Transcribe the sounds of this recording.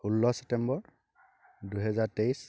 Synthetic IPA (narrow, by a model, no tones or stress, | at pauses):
ulːɔsɛ̥p̚tɛmbɔɹ | duɦɛzaɹteis